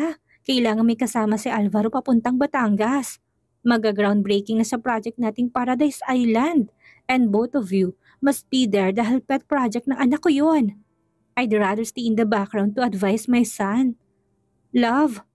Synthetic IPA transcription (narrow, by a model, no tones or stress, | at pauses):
kɐʔɪlaːŋɐnmɐjkɐsaːmɐsɪʔalvɐɾopɐpʊnt̪ɐŋbɐt̪aŋɡɐs | mɐɡaɡɾawnd̪̚bɾɛjkɪŋnɐsɐpɾad͡ʒɛk̚t̪naːt̪ɪŋpaːɾɐd̪ajsɐʔajlɐnd̪ | ʔɛnd̪̚bowθɔvju | mɐst̪̚bid̪ɛɹd̪aːɦilpɛt̪̚pɹad͡ʒɛk̚t̪nɐŋʔɐnɐkːojon | ʔɐjd̪ɛɹad̪ɛɹst̪iɪ̃nd̪ɐbakɾawn̚ʊɐd̪vajsmɐjsɐan | lɐv